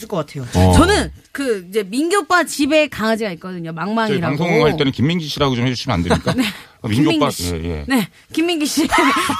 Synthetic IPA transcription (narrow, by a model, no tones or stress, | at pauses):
ɯɭkʌk͈atʰe̞jot͡ɕʌnɯn | kɯid͡ʑe̞minɡjop͈at͡ɕibe̞kaŋad͡ʑiɡait̚k͈ʌdɯɲomaŋmaŋʌiɾaaŋsʰoŋɦaɭt͈enɯnkimːiŋɡiɕ͈ʰiɾaɡot͡ɕomhed͡ʑuɭsɕ͈ʰimena̰ndeɲik͈anekmiŋɡop͈aḛje̞̰ne̞ | kimːiŋɡiɕ͈ʰiɡ